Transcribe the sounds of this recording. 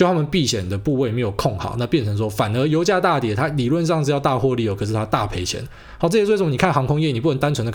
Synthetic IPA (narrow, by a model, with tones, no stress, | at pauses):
jo˥˧ʊt̪ʰa˥mə˨npi˥˨˩ɕjɛ˨˩nd̪ə˩pu˥˧we˥˩ɪme˧˥ɪjo˨˩ʊkʰɔ˥˩ŋxɑ̰˨˦ʊna˥˧pjɛ˥˩nt͡sʰɤ˧˥ŋʂ̬wɔ˥fa˨˩nə˧˦jo˧˥ʊt͡ɕja˥˧t̪a˥˩t̪jɛ˨˩t̪ʰa˥li˨˩lwə˥˧nʈ͡ʂŋt͡sɻ̩˥˧jɑ˥˧ʊt̪a˥˧xwɔ˥˧li˥˩jo˨˩kʰɤ˨˩ʂ̩˥˩t̪ʰa˥t̪a˥˨˩pʰe˧˥ɪt͡ɕʰjɛ̰˧˦n | hʊʈ͡ʂɤ˥˩jɛ˧˥˩ʂə˧m˧ni˨˩kʰnxɑ˧˥ŋkʰʊ˥ŋjɛ˥˨ni˨˩pu˥˩xə˧˦nt̪a˥nt͡sʰwə˧nd̪ə˧